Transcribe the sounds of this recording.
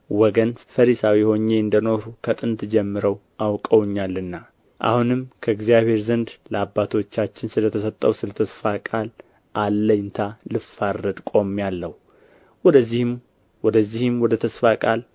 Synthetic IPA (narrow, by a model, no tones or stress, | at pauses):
wɔɡənfəɾisawiho̞ɲːe̞ɨnd̪əno̞ɾukʰət̪ʼɨnt̪d͡ʒɛmːɨɾəw | ʔawkʼəwɲːalːɨnːa | ʔa̰hunɨmkʰəɪɡzijaβhe̞ɾzənd̪ləabːat̪ʰo̞t͡ʃːat͡ʃːɪnsɨlət̪ʰəsət̪ʼːəwsɨlət̪ʰəsfakʼal | ʔalːənt̪ʰalɨfarːəd̪kʼo̞mːjalːəhu | ɔd̪əzːih | wɔd̪əzːihɨmwɔd̪ət̪ʰəsfakʼal